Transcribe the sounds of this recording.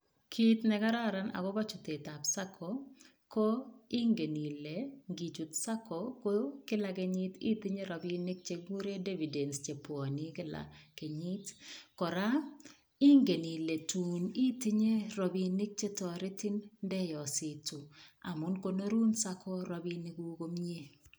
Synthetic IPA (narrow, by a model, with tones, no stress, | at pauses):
kʰi˦tnɛ˨ka˦ɾa˦˨ɾa˦na̰˨ɡɔ˦ba˦t͡ʃɔ˨te˨ta˨psa˦kʰɔ˨ | ko˦ɪ˦ŋɡe˨ni˨le˨ŋɡi˨d͡ʒu˨tsa˦kʰɔ˨ko˦kɪ˦la˨kɪ˨ɲɪ˦ti˦tɪ˦ɲe˦ɾɔ˨bi˦nɪ˦k̚t͡ʃe˦ɡu˦ɾe˦de˦vi˨de˨nst͡ʃe˨pwɔ˨nɪ˦kɪ˦la̰˨ke˨ɲi˦tkɔ˨ɾa˦ | ɪ˦ŋɡe˨ni˨le˨tu˨ni˦tɪ˦ɲe˦ɾɔ˨bi˨nɪ˦k̚t͡ʃe˦tɔ˨ɾɪ˦tɪ˦nndɛ˦jɔ˨sɪ˨tu˨a̰˨mʊ˦nko˦no˦ɾu˦nsa˦kʰɔ˦ɾɔ˦bi˦nɪ˨˦ɡu˦ko˦mi˦e˦